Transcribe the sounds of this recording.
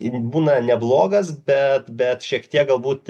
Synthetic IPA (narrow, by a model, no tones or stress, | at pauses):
buːnɐnʲɛblˠoːɡɐsbʲɛt̪bʲɛt̪ʃʲiɛkt̪ʲiɛk̚ɡɐlˠbuːt̪